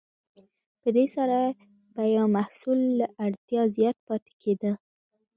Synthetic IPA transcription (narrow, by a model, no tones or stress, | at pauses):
pəd̪esaɾa | bajɑmahsulːaʔaɽt̪jɑzjɑt̪̚pɑt̪e̥kʰed̪ə